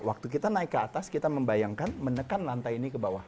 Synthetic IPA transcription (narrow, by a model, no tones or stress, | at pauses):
wak̚t̪ukit̪anaɪkːəat̪askit̪aməmbajaŋkanmənəkanlant̪ainikəbawah